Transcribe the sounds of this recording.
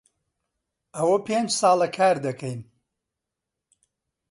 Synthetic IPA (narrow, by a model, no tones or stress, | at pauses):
ʔɐwɐpend͡ʒsɑːlˠɐkʰaːɾd̪ɐkʰɐjn